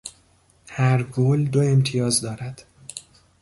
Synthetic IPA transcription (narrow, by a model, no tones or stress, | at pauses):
hæɾɡoːld̪oe̞mt̪ʰijɒːzd̪ɒːɾæd̪̥